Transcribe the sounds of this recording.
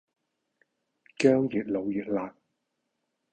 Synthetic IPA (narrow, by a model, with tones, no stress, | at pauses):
kœː˥ŋji˨˩t̚lo˨˧wjiː˨˩t̚laː˨˩t̚